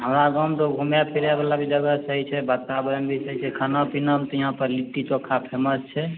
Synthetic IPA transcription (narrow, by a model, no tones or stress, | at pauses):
ɦəmɾaɡamt̪obʱumjapʰiɾjabalabʱid͡ʒəɡəsəɦit͡ʃʰɛbət̪ːabəɾəmbʱisəɦit͡ʃʰɛkʰənapinəmt̪ɔjiɦãpəɾliʈːit͡ʃokʰːapʰeməst͡ʃʰɛ